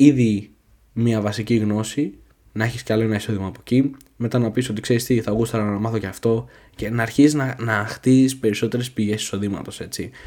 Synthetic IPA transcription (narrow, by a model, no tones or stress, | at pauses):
iði | miɐvɐsiciɣno̞si | nɐeçisceɐlo̞enɐiso̞ðimɐːpo̞ci | me̞t̪ɐnɐpiso̞t̪ikse̞ɾist̪iθɐɣust̪ɐlɐnɐmɐθoceɐft̪o̞ | ce̞nɐːɾçisiznɐnɐxt̪izispe̞ɾiso̞t̪e̞ɾe̞spiʝe̞si̥so̞ðimɐ̰t̪o̞se̞t͡si